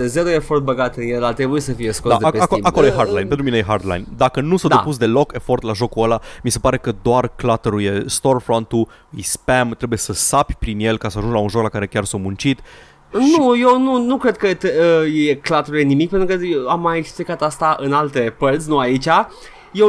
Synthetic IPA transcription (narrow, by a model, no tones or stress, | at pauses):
eze̞ɾoe̞fo̞rt̪̚bəɡat̪ɨnjelat̪ɾebujesəfije̞skod̪ad̪aeakoiako̞lojeɦard̪lajnpenuinejeɦard̪la̰jnd̪akənusad̪eapus̬d̪e̞lo̞ke̞fort̪laʒo̞kuəlamise̞paɾe̞kəd̪oarklat̪əɾuje̞st̪o̞rfɾont̪u | ɨjspemt̪ɾe̞buje̞səsapʲpɾinje̞lkasəaʒuŋɡlaunʒo̞klakaɾe̞kʲarsawmũnt͡ʃit̪ | nuje̞wnunukɾe̞d̪̚kət̪eəjeklat̪eɾuje̞nimik̚pent̪ɾukəamːajeksplikat̪ast̪aʔɨnalt̪e̞pərsʲnuait͡ʃʲa | je